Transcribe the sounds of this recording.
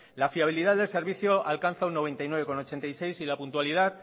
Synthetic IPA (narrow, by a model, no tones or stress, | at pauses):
lafiaβ̞iliðaððe̞lse̞ɾβ̞iθjoalkanθaunːo̞βe̞nt̪ajnwe̞e̞ko̞no̞t͡ʃe̞nt̪ajse̞jsilapunt̪waliðað